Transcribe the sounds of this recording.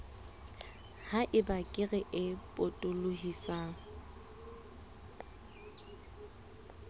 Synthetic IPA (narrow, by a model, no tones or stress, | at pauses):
haʔɪbakʼɪɣɛʔɪpʼotʼʊlʊhisa